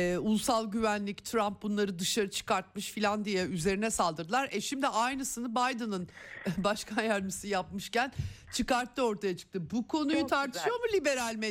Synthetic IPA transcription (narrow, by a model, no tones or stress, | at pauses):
ulˠsalˠɟyvænlʲict̪ʰɾamp̚bunlˠaɾɯd̪ɯʃaɾɯt͡ʃʰɯ̥kaɾt̪̚mɯʃfilʲand̪ijɛyze̞ɾinɛsalˠd̪ɯɾd̪ɯlˠaɾɛʃimd̪iʔajnɯsɯnɯbajd̪ɯnɯnbaʃkʰanjæɾmisijapmɯʃcænt͡ʃʰɯkaɾt̪ʰːɯo̞ɾt̪ʰajat͡ʃʰɯ̥k̚t̪ʰɯbukʰo̞nujut̪ʰaɾt̪ʰɯʃjo̞ɾmulʲibe̞ɾalʲme